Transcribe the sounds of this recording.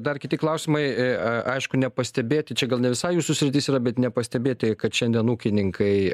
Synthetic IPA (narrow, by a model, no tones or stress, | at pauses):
d̪ɐrkʲɪt̪ʲɪklˠɐʊsʲɪmɐɪɐɪʃkʊnʲɛpɐsʲt̪ʲɛbʲeːt̪ʲɪt͡ʃʲɛɡɐlˠnʲɛʋʲɪsɐɪjuːsʊsʲɾʲɪt̪ʲɪsiːɾɐbʲɛt̪nʲɛpɐsʲt̪ʲɛbʲeːt̪ʲɪkɐt̪ʃʲɛnd̪ʲiɛnuːkʲɪnʲɪŋkʰɐɪ